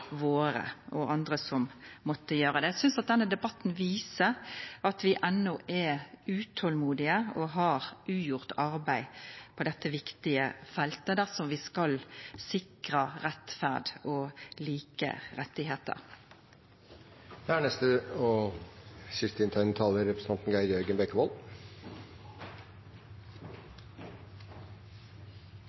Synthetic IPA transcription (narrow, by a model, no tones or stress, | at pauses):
ʋoːɾə̰ʔɔʔɑnd̪ʁəsɔmmɔt̪ːəjøːʁəd̪ɛæsʏnsɑt̪̚d̪ɛnːəd̪ɛbɑt̪ːnʋiːsəɾɑt̪ʋɪʔɛnːɔʔɛʉːt̪ʰɔlmuːd̪ɪəɔɦɑɾʉːjʊʁt̪ɑɾbæɪpʰɔd̪ɛt̪ːəʋɪkt̪ɪə̰fɛlt̪əd̪æʁsɔmʋɪskɑlsɪkʁəʁɛt̪fæʁd̪oliːkə̰ʁɛt̪ːɪɦeːt̪ə̰ʁ | æːɳɛst̪əɔ | ʃɪst̪ɪnt̪ʰɑɪnt̪ʰɑːləɾɾɛpɾəsə̥ɑnt̪n̩ɡæɪɾjœɾɡənbɛkːəʋɔl